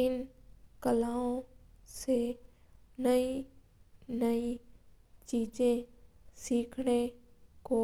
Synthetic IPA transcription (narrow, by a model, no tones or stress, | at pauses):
ɪnkəlaːõseː | nɐĩ | nɐĩ | t͡ʃiːd͡ʒẽsiːkʰɽ̃ekoː